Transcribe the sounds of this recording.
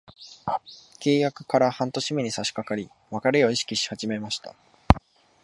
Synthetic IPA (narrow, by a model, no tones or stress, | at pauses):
ke̞ːjakɯ̟̥kaɾahãnt̪o̞ɕimʲiɲ̟isaɕi̥kakaɾʲi | βakaɾejo̞iɕi̥kʲiɕi̥had͡ʑime̞maɕi̥t̪a̰